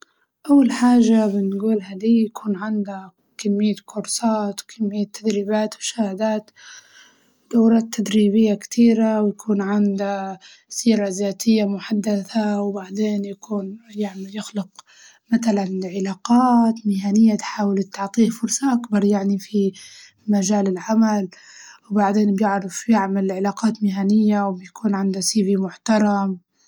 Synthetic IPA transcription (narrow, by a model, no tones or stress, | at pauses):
ʔawːalħaːʒabɪnɡuːlɦad̪iːjakʰuːnʕɪnd̪a | kamːɪjːakʰʊɾsɑːt̪wkʰɪmːɪjːat̪ʰːad̪ɾiːbaːt̪mʊ̥ʃaːhɪd̪aːt̪ | d̪̥awɾˤɑːt̪ʰːad̪ɾiːβɪjːakt̪ʰiːɾawjakʰuːnʕɪnd̪a | siːɾazaːt̪ʰɪjːamʊħad̪ːaθawbaʕd̪eːnjakuːnjɪʕnajɪxlʊq | mat̪alanʕɪlaːqɑːt̪mɪhaːnɪjːat̪ħaːwɪlt̪ːʊʕt̪ˤiːfʊɾsˤɑʔakbɑɾˤjaʕnifi | maʒaːlɪlʕamal | wbaʕd̪eːnbjɪʕɾɪfjɪʕmalʕɪlaːqɑːt̪mɪɦanɪjːawbjakʰuːnʕɪnd̪asiːvimʊħt̪ɑɾˤɑm